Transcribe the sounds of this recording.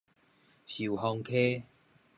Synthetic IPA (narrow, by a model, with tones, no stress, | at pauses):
ɕu˨˩ɦɔ˧ŋkʰe˦